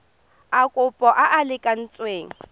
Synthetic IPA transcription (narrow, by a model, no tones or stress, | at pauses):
akʼʊpʼɔʔaʔalɪkʼan̩t͡sʼweːŋ̩